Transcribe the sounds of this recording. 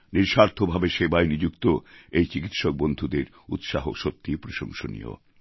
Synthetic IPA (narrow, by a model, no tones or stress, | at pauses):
niɾʃaɾt̪ʰobʱabeʃebajnid͡ʑukt̪oejt͡ɕikit̪ʃok̚bond̪ʱud̪eɾ | ut̪ʃaɦo̰ʃot̪ːipɾoʃo̰ŋʃo̰nḭjo̰